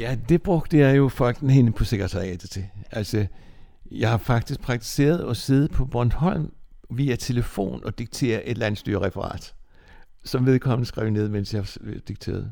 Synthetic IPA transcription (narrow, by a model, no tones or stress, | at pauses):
jæd̥e̝b̥ʁɔɡ̥̚d̥əjɑ̈ɪjo̝fɒ̽l̰ɡ̥n̩he̝nəpʰɒ̽se̝ɡ̥ɐeɛd̥ət͡sʰe̝ælsɒ | jɑ̈ɪhɑ̈fɑ̈ɡ̥̚d̥isɡ̥̚pʰʁɑ̈ɡ̥̚t͡sʰi̥se̝̰ːɐð̞̩ˠɒ̽se̝ð̞̩ˠpʰɒ̽b̥ɒnd̥hɒ̽l̰mʋiæt͡sʰe̝ləfo̝̰ːnɒ̽d̥iɡ̥̚t͡sʰe̝̰ːɐʔe̝d̥læn̰sd̥y̰ɐʁɛfɐʁɑ̰̈ːd̥ | sɒ̽mʋe̝ð̞ˠkʰɒ̽mn̩əsɡ̥ʁɛ̰ʊne̝ð̞̰ˠmen̰sjɑhɑd̥iɡ̥̚t͡sʰe̝̰ːɐð̩ˠ